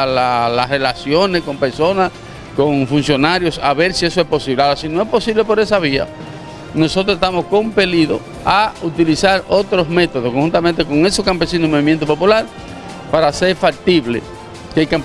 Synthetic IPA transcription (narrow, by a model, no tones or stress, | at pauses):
lalasre̞lasjo̞nesko̞mpe̞ɾso̞nas | ko̞ŋfunsjo̞naɾjo̞saβe̞ɾsie̞so̞e̞spo̞siβleaɾasinoespo̞siβle̞po̞ɾe̞saβ̞ia̰ | no̞sot̪ɾosest̪amo̞sko̞mpe̞liðo̞ | aut̪ilisaɾo̞t̪ɾo̞zme̞t̪o̞ðoskoŋhunt̪amẽnt̪e̞ko̞ŋe̞soskampe̞sinoimo̞βimjent̪opopulaɾ | paɾaseɾfak̚t̪iβlḛ | kejkamp